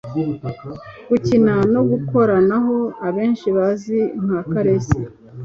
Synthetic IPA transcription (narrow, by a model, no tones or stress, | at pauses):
ɡ̥ucinano̞ɡuko̞ɾanaɦo̞aβe̞ːnʃiβaziŋ̥hakaɾese